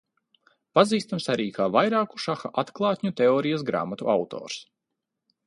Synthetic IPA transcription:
paziːst̪amsaɾiːkaːvajɾaːku̥ʃaxaʔat̪klˠɑːt̪ʲɲʲut̪eoːɾijasɡɾa̰ːmat̪uʔawt̪ɔ̰ːɾs

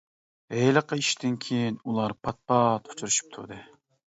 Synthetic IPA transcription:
ɦejləqəiʃd̪ɪnkʲʰejinulˠɑɾpʰɑt̪̚pʰɑt̪ʰu̥t͡ʃʰuɾuʃy̥p̚t̪ʰṵɾd̪ɨ

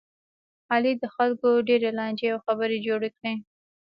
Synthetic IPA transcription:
hɑlid̪əxalkoɖeɾelɑnd͡ʒeawxabəɾed͡ʒoɽekɽe

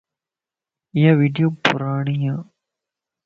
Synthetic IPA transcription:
ɪjaːʋiːɖijoːpʊɾaːɳ̃iːãː

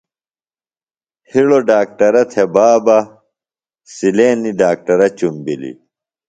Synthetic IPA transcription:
hiɽoɖaːk̚ʈɐɾɐt̪ʰebaːbɐ | sileːniɖaːk̚ʈɐɾɐt͡ɕumbḭlḭ

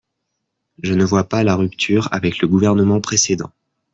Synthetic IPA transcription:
ʒənəvwapalaʁypt̪ʰyːʁa̰vɛkləɡuvɛʁnəmɑ̃pχesed̪ɑ̰̃

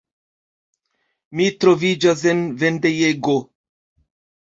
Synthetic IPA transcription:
mitɾo̞vid͡ʒas̬envendejeɡo

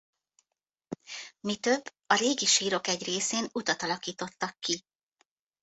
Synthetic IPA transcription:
mit̪ø̞bː | ɒɾeːɡiʃiːɾo̞kɛɟreːseːnut̪ɒt̪ɒlɒkiːt̪o̞t̪ːɒkːi

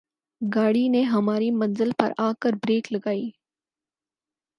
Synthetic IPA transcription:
ɡaːɽineɦɐmaːɾimɐ̃nzɪlpɐ̰ɾaːkəɾbɾeːklɐɡaːiː

